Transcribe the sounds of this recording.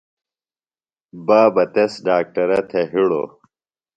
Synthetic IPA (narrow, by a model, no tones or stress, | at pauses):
baːbɐt̪esɖaːk̚ʈɐɾɐt̪ʰeɦiɽo̰